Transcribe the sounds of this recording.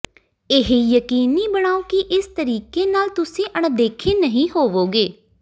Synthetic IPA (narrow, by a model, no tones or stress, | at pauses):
ɪɦejəkiːnːiːbəɽ̃aːoːkiʔɪst̪əɾiːkeːnaːlt̪ʊsĩːʔəɳ̃d̪eːkʰeːnəɦĩːɦoːʋoːɡeː